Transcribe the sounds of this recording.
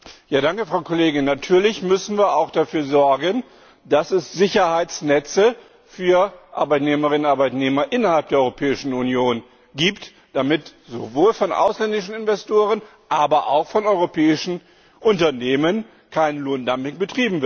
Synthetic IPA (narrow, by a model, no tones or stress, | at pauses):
jaːdaŋkəfʁ̥aʊkʰɔleːɡɪnːatʰyːɐlɪçmʏsn̩viːɐaʊxd̥afyːɐzɔɐɡən | d̥asɛsz̥ɪçɐhaɪt͡snɛt͡sə | fyːɐʔa̰ɐbaɪtneːməʁɪnʊnaɐbaɪtneːmɐʔɪnɐhalp̚d̥eːɐɔʏʁopʰɛːɪʃn̩unjoːn | ɡiːpt | d̥amɪtz̥o̰voːlfɔnʔa̰ʊslɛndɪʃn̩ɪnvɛstʰoːʁən | ʔaːbɐʔaʊxfɔnɔʏʁopʰɛːɪʃn̩ | ʔʊntɐneːmən | kʰaɪnloːndampɪŋbətʁ̥iːbm̩vɪɐt